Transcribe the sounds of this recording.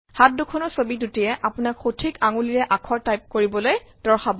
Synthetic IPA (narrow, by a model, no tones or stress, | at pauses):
hat̚dukʰɔnɔɹsobidutijɛʔapʊnakxotʰikaŋuliɹɛʔakʰɔɹtajp̚koɹibɔlojd̥ɔɹxabɔ